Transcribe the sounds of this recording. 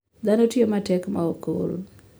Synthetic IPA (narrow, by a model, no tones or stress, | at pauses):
d̪anotiomatɛkmaoko̰l